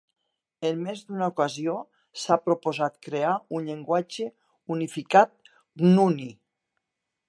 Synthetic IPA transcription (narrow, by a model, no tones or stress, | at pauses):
enmezd̪unaokazio | sapɾopozat̪kɾeaunʎeŋɡwad͡ʒe | unifikat̪̚ | ɡnuni